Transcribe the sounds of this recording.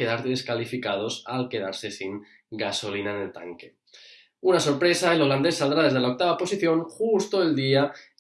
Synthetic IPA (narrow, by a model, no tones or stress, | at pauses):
e̞ðaɾðe̞skalifikað̞o̞sa̰lke̞ðaɾse̞siŋ | ɡaso̞linaene̞lt̪a̰ŋke̞ | unaso̞ɾpɾe̞saelo̞land̪esːald̪ɾaðe̞zðeaok̚t̪aβapo̞siθjo̞ŋxust̪oeld̪ia